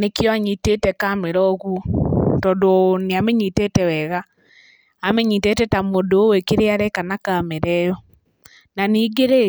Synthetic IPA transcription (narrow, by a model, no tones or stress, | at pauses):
nekjɔaɲitetɛkameɾɔɣutɔdoneamɛɲitetɛwɛɣaː | mɛɲitetɛtamodowekeɾeaɾɛkanakameɾɛjɔ | naniːɡeɾe